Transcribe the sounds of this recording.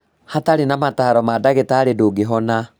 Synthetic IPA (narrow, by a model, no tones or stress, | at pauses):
hataɾenamataɾɔmadaɣetaːɾedoːɡeɦɔna